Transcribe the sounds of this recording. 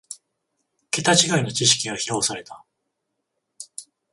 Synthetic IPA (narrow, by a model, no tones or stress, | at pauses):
ke̞t̪at͡ɕiɡaino̞t͡ɕiɕ̬i̥kʲiɡaçiɾaosaɾe̞t̪a